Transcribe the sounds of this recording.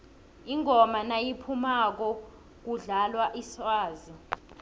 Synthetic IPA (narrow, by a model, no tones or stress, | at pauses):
iŋʱɔmanajipʰumak̬ɔ | k̬uɮalwaʔisaːzi